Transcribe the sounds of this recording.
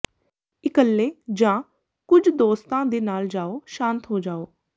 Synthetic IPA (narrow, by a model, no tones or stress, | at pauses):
ɪkəlːeːd͡ʒãː | kʊd͡ʒd̪oːst̪ãːd̪eːnaːld͡ʒaːoːʃãːnt̪ɦoːd͡ʒaːoː